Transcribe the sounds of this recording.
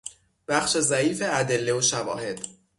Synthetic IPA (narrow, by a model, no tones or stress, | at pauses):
b̥æxʃe̞zæiːfe̞æd̪e̞lːeoʃævɒ̰ːhe̞d̪̥